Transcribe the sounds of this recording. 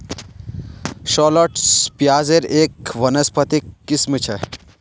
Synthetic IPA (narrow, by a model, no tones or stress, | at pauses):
ʃɔlɔʈspjaːzeɾeːkʋɐnɐspʰɐt̪ikːismit͡ʃʰe